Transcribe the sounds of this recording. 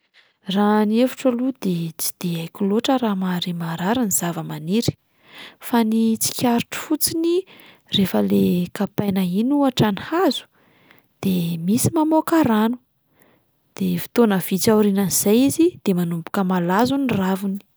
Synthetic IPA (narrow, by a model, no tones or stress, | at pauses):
ranievuʈ͡ʂəlud̪et͡si̥d̪̥eajkʲuloʈ͡ʂəɾamaɾimaɾaɾiniz̥avəmaniɾi̥ | fanit͡si̥kʲaɾuʈ͡ʂu̥fut͡sini | refəlekapajnainuaʈ͡ʂanhazu̥ | d̪̥emisimamokaɾanu̥ | d̪̥efi̥t̪onəv̥it͡sauɾinaniz̥ajizid̪̥emanumpu̥kəmalazuniravuni̥